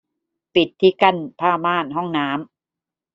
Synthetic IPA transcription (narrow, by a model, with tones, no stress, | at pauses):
pi˨˩t̪ʰːiː˦˥ka˧˥˩npʰaː˥˩maː˥˩nɦɔ˥˩ŋnaː˦˥m